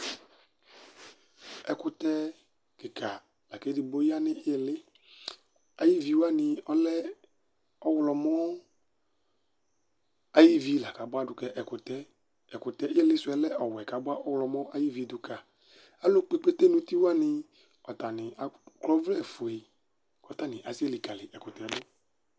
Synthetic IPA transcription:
ɛ˨kʊ˦t̪ɛ˦ | kɪ˨kʰa˨ | la˨ke˦dɪ˨bo˦ji˦a˦nɪ˦ɪ˦˨lɪ˦ | a˨ji˦vi˨˦wa˦nɪ˧ɔ˦lɛ˦ | ɔ˦wlɔ˨mɔ˦ | a˨ji˦vi˦la˨ka˨bʊ˦a˦dʊ˦kɛ˨ʔɛ˨kʊ˨t̪ɛ˦ | ɛ˨kʊ˨t̪ɛ˦ʔɪ˦lɪ˦sʊ˨˦ɛ˨˦lɛ˦ʔɔ˨wɛ˨ka˨bʊ˦a˦ʔɔ˦wlɔ˨mɔ˦ʔa˦ji˦vi˨˦dʊ˨ka˨ | a˦lʊ˦k͡pe˦k͡pe˦t̪e˦nʊ̃˦t̪i˦wa˦nɪ˧ | ɔ˨t̪a˨nɪ̃˨a˨klɔ˦vlɛ˦˨fʊ˨e˨ | kɔ˨t̪a˦nɪ̃˨ʔa˨si˦ɛ˦lɪ˨ka˨lɪ˨ʔɛ˨kʊ˨t̪ɛ˨ɛ˦dʊ˦

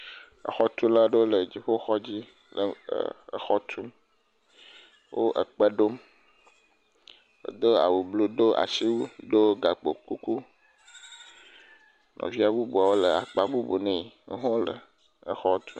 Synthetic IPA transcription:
ə̰˨xɔ˦t̪u˦la˦ɖe˦wo˦lə˨d͡ʑi˨ɸo˦xɔ˦d͡ʑi˦ | lə˨ə̰˨ə̰˨xɔ˦t̪ʰu˦m | wʔo˦ʔə˨k͡pə˦ɖo˦m | ḛ˨d̪o˦a̰˨wu˨blo˦ɖ̪o˦ʔa̰˨si˦wu˦ɖo˦ɡa˨k͡po̰˨ku˦ku˦ | nɔ̰̃˨vi˦a˨bu˦bu˨a˨wo˦lə˨a˨k͡pa˨bu˦bu˨nɛ̃˨e˦ɦɔ̃˦lə̰˨ | ə˨xɔ˦t̪ʰu˦

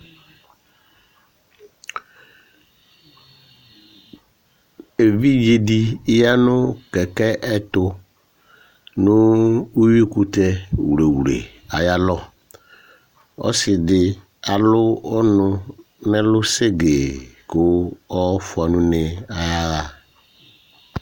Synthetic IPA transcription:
e˨vi˦d͡ʒe˨di˦ja˦nʊ˦kɛ˨kɛ˦ʔɛ˦tʊ˦ | nʊ˦u˦wi˦ku˦t̪ɛ˦wɾe˨wɾḛ˨ | a˨ja˦lɔ˦ | ɔ̰˦sɪ˨dɪ˨ | a˨lʊ˦ɔ˦nʊ˦ | nɛ˦lʊ˦se˦ɡe˨kʊ˦ɔ˦fʊ˨a˨nʊ̃˦nɪ˨a˦a˦˨

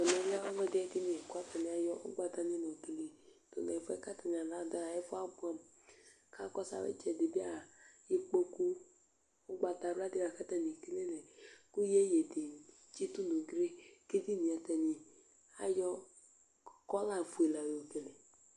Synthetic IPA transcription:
to˨nɛ˨n˦a˦wa˦nɔ̃˦dɪ˦ɛ˦di˦ne˨ku˦a˦ta˨ni˨a˨jɔ˦ʊ̰˦ɡ͡ba˨ta˦ni˦nɔ˨tu˨le˨ | to̰˨nɛ˨fɔ˦ɛ˦ka˦ta˨ɲ˨a˨la˨˦da˦a˨ɛ˦fɔ˦a˦bu˦a˨m | ka˦kɔ˦sa̰˦wḛ˦t͡ʃɛ˨de˨bi˦a˦˨je˦k͡po˦ku˦ | ʊ˦ɡ͡ba˨ta˨ɾa˦dɪ˦wa˨ka˦ta˨ni˨ki˦le˦nɛ˨ku˦je˦je˨di˨ | t͡ʃi˦tu˦no˨ɡɾe˦ke˦di˦ni˨a˨tɛ˨ni˨ | a̰˦jɔ˦ | kɔ˦la˨fu˨e˨la˨o˨ke˨le˨

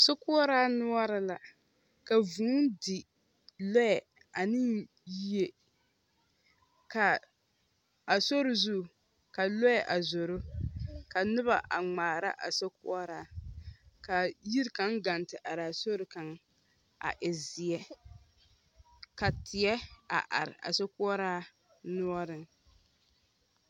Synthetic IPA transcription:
so˦kʊ˦ɔ˦ɾaː˦nʊ˦ɔ˦ɾɪ˦la˨ | ka˨vuː˨˦ndɪ˨ | lɔ˦jɛ˨ | a˨nɪ˦ | ji˦e˨ | ka˨ | a˨so˦ɾɪ˨zu˦˨ | ka˨lɔ˦jɛ˨ʔa˨zo˨ɾʊ˦ka˨nʊ˦βa˨ʔa˨ŋ͡maː˨ɾa̰˦ʔa̰˨so˦kʊ̰˦ɔ˦ɾaː˦ | ka˨ji˦ɾka˦ŋɡa˨ntɪ˨ʔa˨ɾaː˨so˦ɾɪ˨ka˨ŋ | a̰˨ʔɪ˨zɪ˨jɛ˦ | ka˨tʰɪ˨ɛ˦a̰˨ʔa̰˨ɾɪ̰˨a̰˨so˦kʊ˦ɔ˦ɾaː˦ | nu˦ɔ˦ɾɨ˦ŋ

